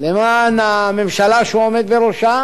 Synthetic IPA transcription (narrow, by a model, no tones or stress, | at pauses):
lemaname̞mʃalaʃeuomed̪beɾoʃa